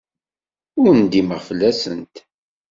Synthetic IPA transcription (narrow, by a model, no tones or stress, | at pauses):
ʊɾənd̪iməʁfəlːæsə̰nt̪